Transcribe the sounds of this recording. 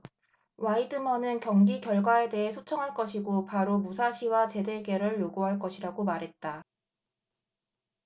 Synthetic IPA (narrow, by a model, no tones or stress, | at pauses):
waidɯmʌnɯnkjʌŋɡikjʌɭɡwae̞de̞ɦe̞sʰot͡ɕʰʌŋɦaɭk͈ʌɕʰiɡopaɾomusʰaɕʰiwat͡ɕe̞de̞ɡe̞ɾɯɭjoɡuɦaɭk͈ʌɕʰiɾaɡomaɾɦe̞t̚t͈a